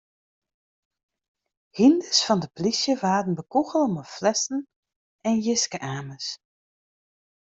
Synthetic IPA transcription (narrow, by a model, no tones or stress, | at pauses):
hindəsfɑndəplisjəʋaːdən̩bəkuɣəlˠəməflɛsn̩ | ɛnjɪskəʔaːməs